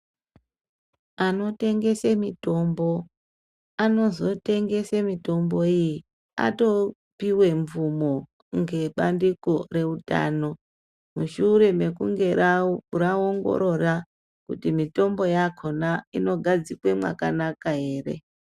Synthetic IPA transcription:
ano̞te̞ŋɡe̞semito̞mbo̞ | ano̞zo̞te̞ŋɡe̞semito̞mbo̞iji | a̰to̞ | piwe̞ɱvumo̞ | ŋɡe̞ɓandikore̞uta̰ːno̞ | muʃuɾe̞me̞kuŋɡe̞ɾaraoŋɡo̞̰ɾo̞ra | kutimito̞mbo̞jakʰonaino̞ɡʱad͡zikwe̞mwa̰kanakaɦe̞ːre̞̰

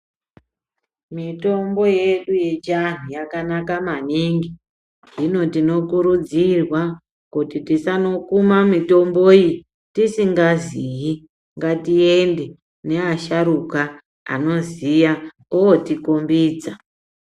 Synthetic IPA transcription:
mito̞mbo̞je̞ɗuje̞t͡ʃan̤ujakanakamaniŋɡi | ʐino̞tino̞kuɾud͡zirwa | kutitisano̞kumamito̞mboji | tisiŋɡaziji | ŋɡatiende̞ | ne̞aʃaɾuka | a̰no̞zija | owotikombiːd͡za

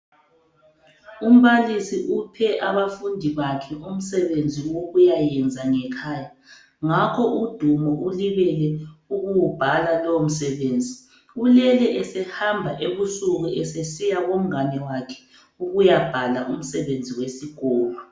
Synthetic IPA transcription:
um̩βalisiʔupʰɛʔaβafundʱiβakʰɛum̩sɛβend͡zʱiwoɣujajɛnd͡zʱaŋɛkʰaːja | ŋakʰɔʔud̥ʱumɔʔuliβɛlɛuɣuwub̥ʱalalom̩sɛβeːnd͡zʱi | ulɛlɛʔɛsɛhambʱaʔeβusuɣuʔɛsesijaɣom̩anɛwakʰɛ̥ | uɣujab̥ʱalaʔum̩sɛβend͡zʱiwesiɣ̥ɔːlɔ

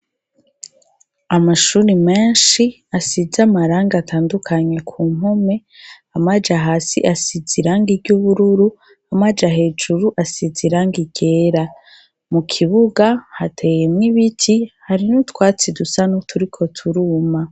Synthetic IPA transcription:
amaʃuːɾime̞ːnʃi | asizamaɾaːŋɡatʰaːndukʰaɲe̞kʰuːm̥ume̞ | amad͡ʒaɦaːsḭʔasiziɾaŋɡibɟuːβuɾuɾu | amad͡ʒaɦe̞ːd͡ʒuɾuʔasiziɾaŋɡiɟ̥e̞ːɾa | mukʰiβuɡahatʰe̞jemŋiβitʰihaɾinutwaːt͡sidusanotʰuɾikʰo̞tʰuɾuːma

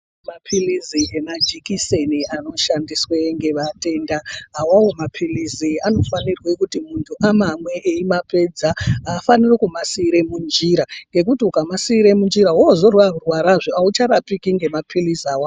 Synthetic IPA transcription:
mapʰiliziemad͡ʒikiseniano̞ʃandiswe̞ŋɡe̞ʋate̞ndaɦːwawomapʰiliziano̞fanirwe̞kutimuntʰuʔamamwe̞ʔeimape̞d͡zaaːfanirekumasiːɾe̞mund͡ʒiɾaŋɡe̞k̬utiukamasiːɾe̞mund͡ʒiɾaɦozo̞rwaurwaɾaʐoaut͡ʃaɾapikiŋɡe̞mapʰilizaːwa

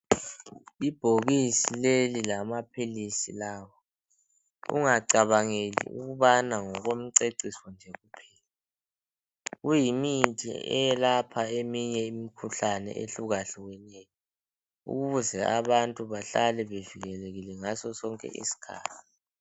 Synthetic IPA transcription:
ib̥ʱoɣisilelilamapʰilisḭlaːwɔ | ṵŋaǀaβaŋelḭṵɣuβanaŋɔɣom̩ǀeǀiswɔnd͡ʒʱeɣupʰɛːla | ɣujimintʼḭɛ̰jɛlapʰaemiɲɛimikʰuɬanɛ̰ʔḛɬuɣaɬiwɛnɛjɔ | ṵɣuβuzɛʔaβantʼuβaɬalɛβeviɣɛleɣilɛŋasɔsɔŋkʼɛ̰ʔḭsi̥kʰa̰ːtʰi̥

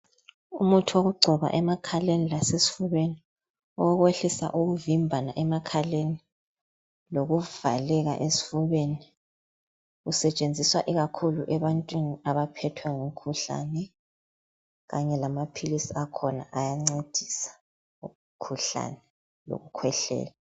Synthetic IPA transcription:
ṵmutʰuwoɣuɡ͡ǀʱɔβa̰ʔɛmakʰalenilasesi̥fuβeni | ɔɣweɬisa̰ʔuɣuvimbʱanaʔɛmakʰaleni | loɣuv̥alɛɣa̰ʔesi̥fuβeni | usɛt͡ʃʼend͡zʱiswaʔiɣakʰuluʔɛβantʼwiniaβapʰɛtʰwaŋum̩kʰuɬa̰nɛ | ɣaɲɛlamapʰilisiakʰɔna̰ʔajaŋ͡ǀed̥ʱisḁ | u | kʰuɬa̰nɛ | lo̰ɣukʰwɛɬɛ̰ːla

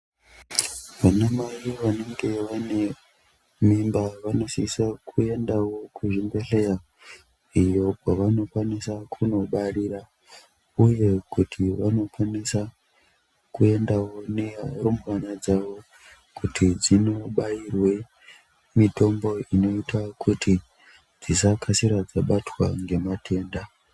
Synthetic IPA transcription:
ʋanamariʋane̞ŋɡe̞ʋane̞ | mimbaʋano̞siisakʰue̞ndawo̞kuʐimbe̞ɬe̞ja | ijo̞kwaʋano̞kwanisakʰuno̞ɓariɾa | uje̞kutʰiʋano̞kwanisa | kue̞ndawonerumwanad͡zaʋo̞ | kutʰid͡zino̞ɓairwe̞ | mito̞mbo̞ino̞itʰakʰutʰi | d͡zisakʰasiɾad͡zaɓatwaŋɡe̞matʰe̞ːnda

